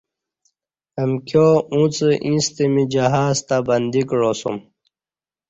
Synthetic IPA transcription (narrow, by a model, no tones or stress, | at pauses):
əmkjoːũt͡səʔĩst̪imid͡ʑɐɦaːzt̪abɐnd̪ikɻoːsṵm